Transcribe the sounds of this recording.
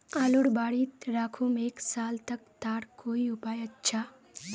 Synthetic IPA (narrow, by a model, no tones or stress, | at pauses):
aːluɽbaːɽit̪ɾakʰumeksaːlt̪əkt̪aːɽkoːiupajətːt͡ʃʰa